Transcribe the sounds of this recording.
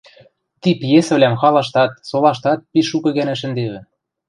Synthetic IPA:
t̪ipjesɘ̆βlʲæmxɑlɑʃt̪ɑt̪̚solɑʃt̪ɑt̪̚piːukɤ̆ɣænæʃɘ̆nd̪eβɘ̆

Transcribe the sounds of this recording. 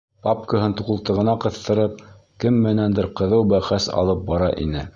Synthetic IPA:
pap̚kəɦɤnt̪uqɤ̆lˠt̪ɤ̆ʁɤ̆nɑqɤ̆θt̪ɤ̆ɾɤp̚ | kɘmːɘ̆nænd̪ɘɾqɤ̆ðɤwbæχæsɑ̰lˠɤp̚bɑɾɑʔḭnɘ

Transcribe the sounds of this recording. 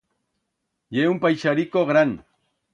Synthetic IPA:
jeʊmpajʃaɾɪkoχɾaŋ

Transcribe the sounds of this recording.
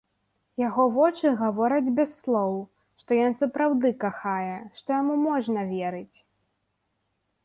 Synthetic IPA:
jaɣɔvɔt͡ʂɨɣavɔɾɐd͡zʲbʲɛsːlˠɔw | ʂt̪ɔjɔnsɐpɾawd̪ɨkaxajɛʂt̪ɔjamumɔʐnɐvʲɛɾɨt͡sʲ

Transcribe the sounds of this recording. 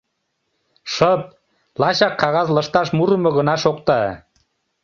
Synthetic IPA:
ʃɤp̚ | lɑɕɑkːɑɣɑzlɤ̆ʃt̪ɑʃmuɾə̆mɤ̆ɣə̆nɑʃok̚t̪ɑ

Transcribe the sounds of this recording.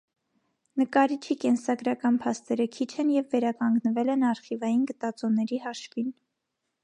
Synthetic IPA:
nəkɑɾit͡ʃʰikɛnsɑɡɾɑkɑnpʰɑst̪ɛɾəkʰit͡ʃʰɛnjɛvːɛɾɑkɑŋɡnəvɛlɛnɑɾχivɑjinɡət̪ɑt͡sɔnɛɾiɦɑʃvin

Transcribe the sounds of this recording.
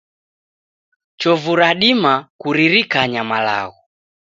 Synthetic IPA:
t͡ʃɔvuɾaɗimakuɾiɾikaɲamala̰ɣɔ

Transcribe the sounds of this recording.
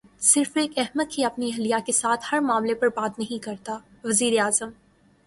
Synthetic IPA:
sɪɾfeːkɛɦməd̪̚kiɐpniɦɐlijakesaːt̪ʰhɐɾmãːmlepɐɾbaːt̪nɐɦĩkɐɾt̪a | ʋɐziːɾeaːzəm

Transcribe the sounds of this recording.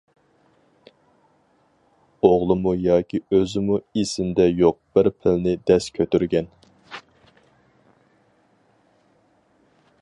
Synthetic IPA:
oʁlˠɨmujɑːkʲʰiøzɪmuesɪnd̪ɛjoq̚b̥ɪɾpʰɪlnɪd̪ɛskʲʰøt̪yɾɡʲɛn

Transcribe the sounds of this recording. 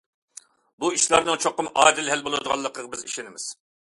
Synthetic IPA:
buiʃlˠɑɾnɨŋt͡ʃʰoqːəmɑ̰ːd̪ɪlhɛlbolˠɨd̪əʁɑ̰lˠːəqʰəʁbɪziʃenɪmɪz̥

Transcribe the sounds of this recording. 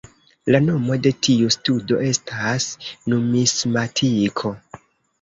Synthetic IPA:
lano̞mo̞de̞tʰiustudo̞̰ʔe̞stʰasnumismatʰikʰo̞

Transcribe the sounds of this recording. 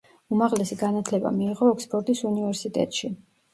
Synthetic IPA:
umaʁlɛsiɡanat̪ʰlɛba̰miːʁɔɛkspʰʼɔɾt̪ʼisunivɛɾsit̪ʼɛ̰t̪ʼʃi

